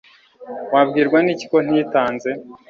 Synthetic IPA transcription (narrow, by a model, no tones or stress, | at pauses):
wabɡiːɾɡwanici̥ko̞n̥ijitaːnze̞